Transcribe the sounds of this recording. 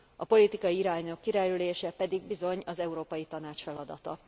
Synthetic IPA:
ɒpo̞lit̪ikɒjiiɾaːɲo̞kːiɾɛlyleːʃɛpɛd̪iɡbizo̞ɲɒzɛuɾoːpɒjit̪ɒnaːt͡ʃfɛlɒd̪ɒ̰t̪ɒ̰

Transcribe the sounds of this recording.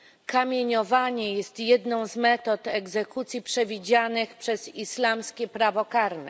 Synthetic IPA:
kamʲjeɲɔvaɲɛjɛst̪jɛd̪nɔ̃w̃zmɛt̪ɔt̪ɛɡzɛkut̪sʲjipʂɛvʲid͡ʑanɘxpʂɛzislamskʲɛpɾavɔkaɾnɛ̰

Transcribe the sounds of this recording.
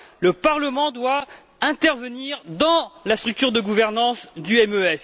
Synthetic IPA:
ləpaʁləmɑ̃d̪wa | ɛ̃t̪ɛʁvəniʁd̪ɑ̃last̪χyk̚t̪yʁd̪əɡuvɛʁnɑ̃sd̪yɛmøɛs

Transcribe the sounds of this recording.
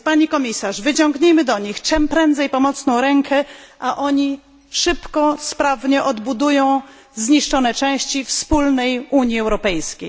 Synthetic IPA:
paɲikɔmʲisaʂvɘt͡ɕɔ̃ŋɡɲejmɘd̪ɔɲixt͡ʂɛmpɾɛnd̪zɛjpɔmɔt̪snɔ̃w̃ɾɛŋkʰɛʔaʔɔɲi | ʂɘpkɔspɾavɲɛʔɔd̪bud̪ujɔ̃w̃ | zɲiʂt͡ʂɔnɛt͡ʂɛ̃w̃ɕt͡ɕifspulnɛjuɲjiɛwɾɔpɛjskʲḛj

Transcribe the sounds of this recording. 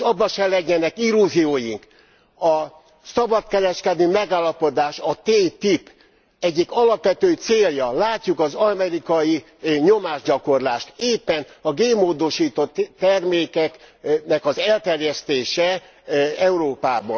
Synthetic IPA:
ʃɒbːɒʃɛlɛɟːɛnɛkilːuzioːjiŋk | ɒ | sɒbɒt̪kɛɾɛʃkɛd̪øːmɛɡaːlːɒpo̞d̪aːʃɒt̪eːt̪ip | ɛɟːikɒlɒpʋɛt̪øːt̪seːljɒlaːcːukɒzɒmɛɾikɒji | ɲo̞maːʒɟɒko̞rlaːʃt̪eːpːɛnɒɡeːmoːd̪o̞ʃiːt̪ot̪t̪ːɛrmeːkɛknɛkɒzɛlt̪ɛrjɛst̪eːʃɛ | ɛuɾoːpaːbɒ

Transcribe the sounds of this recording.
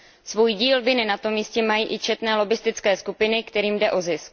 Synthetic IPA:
svuːjɟiːlvɪnɪnat̪o̞mːiːscɛmajiːʔɪt͡ʃɛt̪nɛːlo̞bɪst̪ɪt͡skɛːskupɪnɪkt̪ɛɾiːmdɛʔo̞zɪsk̚

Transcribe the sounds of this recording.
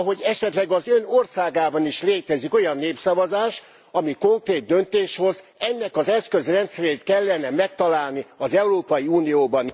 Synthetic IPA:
ɦo̞ɟɛʃɛt̪lɛɡɒzø̞norsaːɡaːbɒniʃleːt̪ɛziko̞jɒnːeːpsɒvɒzaːʃ | ɒmiko̞ŋkreːd̪̚d̪ønt̪eːʃho̞zɛnːɛkɒzɛskøzrɛnt̪sɛɾeːt̪kɛlːɛnɛmɛk̚t̪ɒlaːlniɒzɛuɾoːpɒjiuːnijoːbɒn

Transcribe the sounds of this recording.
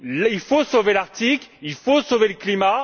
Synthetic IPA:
lilfosovelaʁt̪iklilfosoveləklima

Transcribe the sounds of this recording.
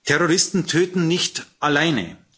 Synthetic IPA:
tʰɛʁoʁɪstn̩tʰøːtn̩nɪçtʔalaɪnə̰

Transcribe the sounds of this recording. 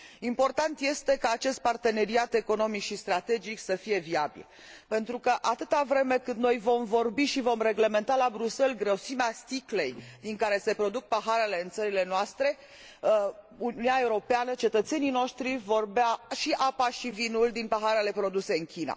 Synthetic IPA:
impo̞rt̪ant̪je̞st̪e̞kaːt͡ʃe̞st̪̚part̪e̞ne̞ɾiat̪e̞ko̞no̞mikʃist̪ɾat̪e̞d͡ʒiksəfije̞viabḭl | pe̞nt̪ɾukəʔat̪ɨt̪avɾe̞me̞kɨnd̪no̞jvo̞mvo̞rbiʃivo̞mre̞ɡle̞me̞nt̪alabɾuse̞lɡɾəsimeast̪ikle̞jd̪iŋkaɾe̞se̞pɾo̞d̪uk̚paɦaɾe̞le̞ɨnt̪səɾile̞noast̪ɾe̞ | ununaeuɾo̞peanət͡ʃe̞t̪ət̪se̞nino̞ʃt̪ɾivo̞rbeaʃiʔapaʃivinuld̪inpaɦaɾe̞le̞pɾo̞d̪use̞ɨŋkʲina̰

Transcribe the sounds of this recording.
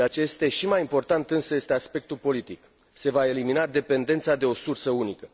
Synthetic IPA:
eat͡ʃeje̞st̪e̞ʃimajimpo̞rt̪ant̪ɨnsəje̞st̪easpe̞k̚t̪ulpo̞lit̪ik | se̞vae̞liminad̪e̞pe̞nd̪ent̪sad̪e̞o̞sursəunikə

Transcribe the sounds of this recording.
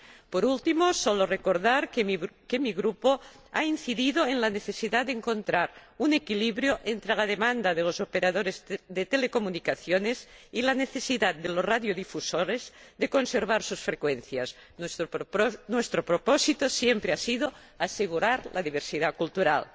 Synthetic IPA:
poɾult̪imosolorekoɾðaɾkkemiɣɾupoainθiðiðoenlaneθesiðad̪eŋkõ̞nt̪ɾaɾunekiliβɾjoʔent̪ɾelað̞emãnd̪aðelozopeɾaðoɾezðet̪elekomunikaθjonezilaneθesiðat̪̚d̪elosraðjoðifusoɾezðeko̞nseɾβ̞aɾsusfɾekwen̟θjas | nwest̪ɾopɾoposit̪osjempɾeasiðo | aseɣuɾaɾlʔa̰ðiβ̞eɾsiðakult̪uɾa̰l

